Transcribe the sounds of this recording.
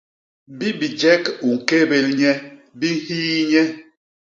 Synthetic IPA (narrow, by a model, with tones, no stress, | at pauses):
bi˦bi˨d͡ʒɛ˦ku˨ŋ̩˨ke˦be˨lɲɛ˦ | bi˦ŋ̩˦hiː˦ɲɛ˦